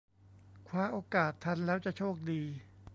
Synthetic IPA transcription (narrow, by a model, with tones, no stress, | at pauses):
kʰwaː˧ʔoː˧kaː˨˩t̪ʰːa˧nlɛː˦˥wt͡ɕa˨˩t͡ɕʰoː˥˩k̚diː˧